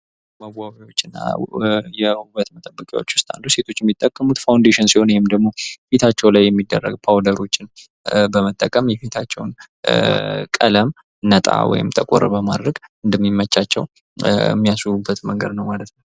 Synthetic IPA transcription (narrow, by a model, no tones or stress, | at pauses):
məwawiwo̞t͡ʃːɨnːa̰jɛhuβət̪mət̪ʼəbːəkʼawo̞t͡ʃːwʊst̪ʼa̰lːuse̞t̪ʰo̞t͡ʃːjɛmːit̪ʼːəkʼːəmut̪fawnd̪eʃɪnsiho̞nwɔhɪmd̪əɡmo̞fit̪ʰat͡ʃːɛwlajːɛmːid̪ːərːə̰ɡpʰawd̪əɾo̞t͡ʃːɪn | bəmət̪ʼːəkʼəmjɛfet̪ʰat͡ʃːɛwn | kʼə̰ləm | nət̪ʼa̰wɔ̰jɪ̰mt̪ʰəkʼɔɾəbəmad̪ɾəɡɨnd̪əmːimːət͡ʃːat͡ʃːɛw̰ | mːijasuubːət̪məŋɡəd̪nəwmalət̪nəw